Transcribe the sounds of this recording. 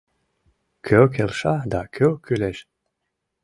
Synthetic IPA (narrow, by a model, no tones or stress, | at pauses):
kʰøkʰelˠʃad̪akʰøwkʰyleʃ